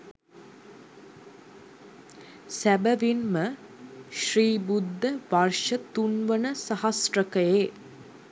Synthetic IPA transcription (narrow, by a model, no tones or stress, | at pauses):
sæbəʋinməʃriːbud̪ʱːəʋɐrʃət̪unʋənəsɐhɐsrəkəjeː